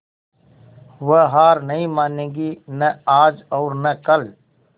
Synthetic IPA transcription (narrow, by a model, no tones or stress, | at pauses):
ʋəɦaːɾnɐĩmaːnẽːɡinɐaːd͡ʒɔːɾnɐkəl